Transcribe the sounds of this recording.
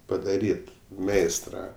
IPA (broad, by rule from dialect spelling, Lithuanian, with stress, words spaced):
pɐdɐˈrʲiːt ˈmʲɛɪstrɐ